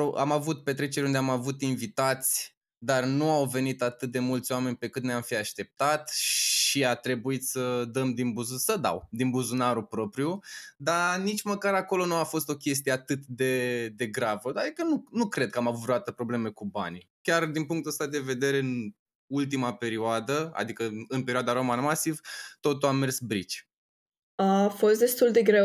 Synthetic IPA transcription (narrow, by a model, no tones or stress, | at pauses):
oamavut̪̚pe̞t̪̬ɾe̞t͡ʃe̞ɾeund̪eamavut̪invit̪at̪sʲ | d̪arnuawve̞nit̪at̪ɨt̪̚d̪e̞mult̪sʲoame̞nʲpe̞kɨnt̪neamfiaʃt̪e̞p̚t̪at̪ʃiat̪ɾe̞buit̪səd̪əmd̪inbuzusəd̪a̰wd̪inbuzunaɾupɾo̞pɾijud̪anit͡ʃməkaɾako̞lo̞nuafo̞st̪o̞kʲe̞s̬t̪ije̞at̪ɨt̪d̪e̞d̪e̞ɡɾavəd̪ad̪ikənunukɾe̞d̪̚kəamavuvɾuat̪əpɾo̞ble̞me̞kuba̰nikʲard̪inpuŋkt̪uəst̪ad̪e̞ve̞d̪e̞ɾe̞ɨn | ult̪imape̞ɾioad̪əa̰d̪ikəɨnpe̞ɾioad̪aɾo̞manmasivt̪o̞t̪uamːe̞rsbɾit͡ʃʲ | afo̞st̪̚d̪e̞st̪uld̪e̞ɡɾe